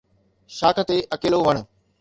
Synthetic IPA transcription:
ʃaːkʰə̆t̪eʔɐkeːloʋɐɽ̃̆

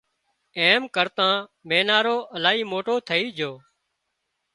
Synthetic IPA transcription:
eːmkəɾt̪ãːmeːnaːɾoːʔəlaːɦiːmoːʈoːt̪ʰəiːd͡ʒʱoː

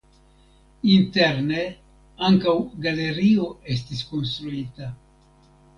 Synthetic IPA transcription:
inte̞ɾne̞ | aŋkawɡale̞ɾio̞e̞s̬tisko̞ns̬t̪ɾuita

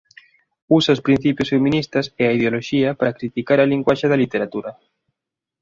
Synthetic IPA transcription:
usaʊspɾin̟θipjʊsfemĩnist̪ɐseaiðeoloʃiɐpaɾakɾit̪ikaɾɐliŋɡwaʃeðɐlit̪eɾat̪uɾɐ

